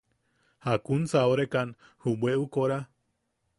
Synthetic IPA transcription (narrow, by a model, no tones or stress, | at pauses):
hakunsaoɾekanhubweukoɾa